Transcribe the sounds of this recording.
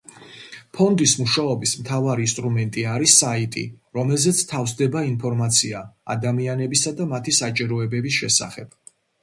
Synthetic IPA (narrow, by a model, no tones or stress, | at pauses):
pʰɔnd̪ismuʃaɔbismt̪ʰavaɾiinst̪ʼɾumɛnt̪ʼiaɾisait̪ʼḭɾɔmɛlzɛt̪sʰt̪ʰafsd̪ɛbainpʰɔɾmat̪sʰia̰ːd̪amianɛbisad̪amat̪ʰisat͡ʃʼiɾɔɛbɛbis̬ʃɛsa̰χɛb̥